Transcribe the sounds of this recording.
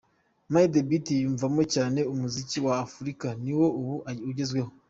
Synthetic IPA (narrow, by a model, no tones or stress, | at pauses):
majidebitijuːɱvamo̞caːne̞umuziciwaːfuɾikaniwo̞uβuuɟe̞zɡwe̞ho